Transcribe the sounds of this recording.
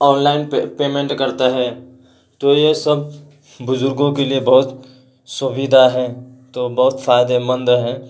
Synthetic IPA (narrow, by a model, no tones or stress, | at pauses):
ɔːnlaːɪnpeːmẽɳʈkɐɾt̪aɦɛ | t̪ojesɐb̚ | bʊzʊɾɡõkeliebɐɦʊt̪ | sʊbɪd̪ʱaɦɛt̪oːbɐɦʊt̪faːjd̪emə̃nd̪ɦɛ̃